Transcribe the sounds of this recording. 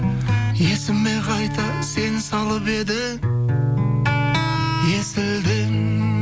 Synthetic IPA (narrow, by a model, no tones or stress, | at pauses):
je̞sɪmːe̞qʰɑjt̪ɑse̞nsɑlˠəpe̞d̪ɪ | je̞sɪld̪ɪŋ